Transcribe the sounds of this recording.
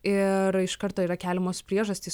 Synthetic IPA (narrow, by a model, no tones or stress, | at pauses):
ɪɾɪʃkɐɾt̪oːiːɾɐkʲæːlʲɛmoːspʲɾʲiɛʒɐsʲt̪ʲiːs